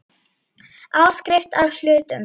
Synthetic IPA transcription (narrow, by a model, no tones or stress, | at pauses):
aːwskɾɪft̪awl̥ʏːt̪ʏm